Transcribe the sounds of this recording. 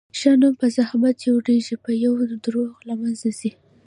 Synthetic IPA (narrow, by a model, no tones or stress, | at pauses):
ʃɑnumpəzahmat̪̚kewɽeʒipəjawd̪ɾoɣlamanzasi